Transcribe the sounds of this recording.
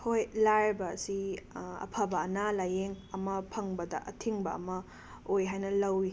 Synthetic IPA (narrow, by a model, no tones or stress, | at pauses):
hojlaɾbɐ̰ːsiɐ̰pʰabɐːnalajeŋɐmɐpʰɐŋbɐdɐ̰ʔɐtʰiŋbɐ̰ːmɐ | ojɦajnɐlɐwi